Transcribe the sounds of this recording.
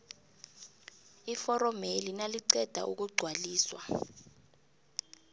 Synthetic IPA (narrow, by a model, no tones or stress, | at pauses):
ifɔrɔmelinaliǀɛd̥ʱa̰ʔṵk̬uɡ͡ǀʱwaliːswa̰